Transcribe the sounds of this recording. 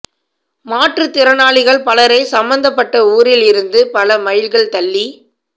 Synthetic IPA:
maːʈrɯt̪ɪɾɐnaːɭɪɣɐɭpɐlɐɾɐɪsɐmbɐnd̪ɐpːɐʈːɐuːɾɪlɪɾɯnd̪ɯpɐlɐmɐjɪlɣɐɭt̪ɐlːi

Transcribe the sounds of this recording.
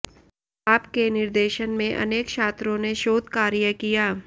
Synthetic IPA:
aːpkenɪɾd̪eːʃənmẽʔɐ̰neːkʃʰaːt̪ɾõneʃoːd̪kaːɾjəkijaː

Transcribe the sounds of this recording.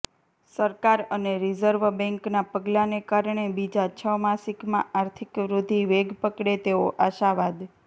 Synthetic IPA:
səɾkaɾəneɾizəɾʋbɛ̃ŋknapəɡlanekaɾɳebid͡ʒat͡ʃʰəmasikmã̰aɾt̪ʰikʋɾud̪ʱiʋeɡpəkɽet̪eoʔaʃaʋad̪

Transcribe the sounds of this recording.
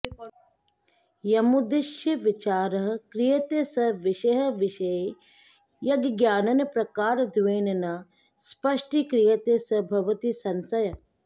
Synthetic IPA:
jɐmud̪ɪʃjɐʋit͡ʃaːɾɐɦkɾijɐt̪esɐʋɪʃɐɦɐʋɪʃɐj | jɐɡɡjaːnɐnɐpɾɐkaːɾd̪ʋeːnɐnɐ | spɐʂʈikɾijɐt̪esɐbʱɐʋɐt̪isɐnsɐjɐ

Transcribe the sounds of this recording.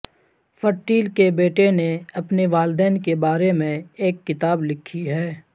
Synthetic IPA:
fəʈːiːlkebeːʈeneɐpneʋaːld̪ɛːnkebaːɾemẽeːkːɪt̪aːblɪkʰːiɦɛː

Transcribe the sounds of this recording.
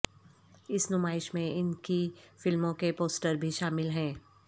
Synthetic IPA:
ɪsnʊmaːɪʃmẽɪnkifɪlmõkepoːsʈəɾbʱiʃaːmɪlɦɛ̃ː

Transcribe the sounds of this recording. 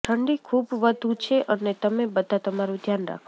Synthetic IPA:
ʈʰəɳɖikʰubʋəd̪ʱut͡ʃʰeʔənet̪əmebəd̪ʱat̪əmaɾũd̪ʱjanɾa̰kʰ

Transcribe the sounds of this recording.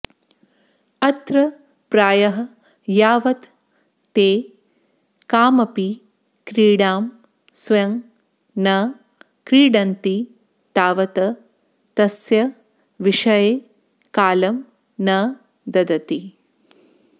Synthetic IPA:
ɐt̪ɾɐ | pɾaːjɐɦɐ̆ | jaːʋɐt̪ː | eː | kaːmɐpi | kɾiːɽaːm | sjɐŋ | nɐ | kɾiːɽɐnt̪i | t̪aːʋɐt̪ɐ | t̪ɐsjɐ | ʋiʂɐjeː | kaːlɐm | nɐ | d̪ɐd̪ɐt̪i

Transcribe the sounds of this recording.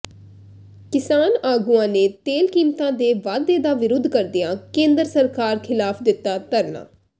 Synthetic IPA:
kɪsaːnaːɡuãːneːt̪eːlkiːmt̪ãːd̪eːʋaːd̪eːd̪aːʋɪɾʊd̪ʱkəɾd̪ɪjãːkẽːnd̪əɾsəɾkaːɾkʰɪlaːpʰd̪ɪt̪ːaːt̪əɾna̰ː

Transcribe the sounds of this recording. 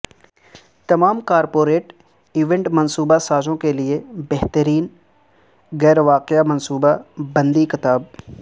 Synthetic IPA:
t̪ɐmaːmkaːɾpoːɾeːʈ | iːʋẽɳʈmɐnsuːbasaːd͡ʒõkeliebɛɦt̪əɾiːn | ɣɛːɾʋaːqɪjamɐnsuːbabɐ̃nd̪ikɪt̪aːb̚

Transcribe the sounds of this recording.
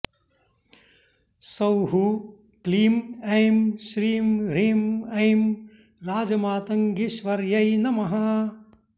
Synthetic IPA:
sɐwɦu | kliːmɐjmʃɾiːmɾiːmɐjm | ɾaːd͡ʒɐmaːt̪ɐŋɡiʃʋɐɾjɐjnɐmɐɦaː

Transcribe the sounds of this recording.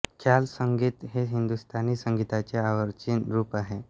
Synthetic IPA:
kʰjalsəŋɡit̪ɦeɦind̪ust̪ʰaniːsəŋɡit̪at͡seaʋəɾt͡ɕinɾuːpaɦe

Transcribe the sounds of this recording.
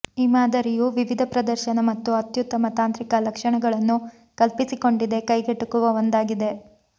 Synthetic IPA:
imaːd̪ɐɾijuʋiʋid̪ʱɐpɾɐd̪ɐɾʃɐnɐmɐt̪ːuɐt̪jut̪ːɐmɐt̪aːnt̪ɾikɐlɐkʂɐɳɐɡɐɭɐnːu | kɐlpisiko̞ɳɖid̪e̞kɐjɡeʈːukuʋɐʋond̪aːɡid̪e̞

